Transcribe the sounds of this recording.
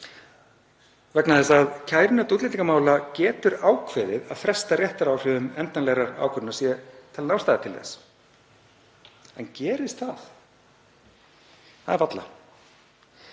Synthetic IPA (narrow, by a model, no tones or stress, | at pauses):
vɛknaðɛs̬aːðcʰaːjɾɪnat̪ut̪lɪniŋkamaːwlacɛːt̪ʏɾaːwkʰvɛðɪða̰ðfɾɛst̪arjɛht̪aɾaːwr̥ɪʏmɛnt̪anlɛɣɾaɾa̰ːwkʰʏɾnaɾsjɛt̪ʰɛlnamst̪ajðat̪ʰɪlðɛ̰s | ɛncɛːɾɪst̪θaθ | θaðɛɾvat̪la̰